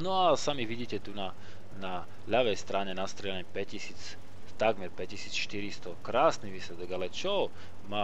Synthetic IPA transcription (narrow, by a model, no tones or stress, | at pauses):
nɔasamiʋiɟiːcɛt̪una | na | ʎaʋɛjst̪ɾaːɲɛnast̪ɾɛlaɲɛpɛcisiːt͡s | t̪aɡmɛɾpɛcːisiːt͡sʃt̪iɾist̪ɔkɾaːsniʋiːslɛd̪ɔɡalɛt͡ʃɔ | maː